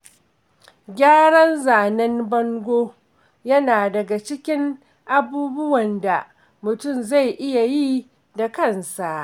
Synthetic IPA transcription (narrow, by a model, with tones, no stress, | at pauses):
ɡʲaː˦ɽɐ˦nzaː˨nɐ˦nbɐ˦ŋɡʷoː˦ | jɐ˦naː˨dɐ˨ɡa˨t͡ʃɪ˦kʲɪ˦ŋ | ʔa˦buː˦bʊ˦wɐ˨nda˨ | mʊ˨tʊ˦˨mza˦˨jʔɪ˦ja˨jiː˦ | da˨kɐ˦˨nsa˨ʔ